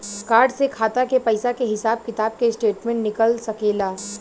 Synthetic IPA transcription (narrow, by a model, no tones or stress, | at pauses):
kaːɾɖsekʰaːt̪akepɐɪsakeɦɪsaːb̚kɪt̪aːb̚kesʈeːʈmẽʈnɪkəlsɐkeːlaː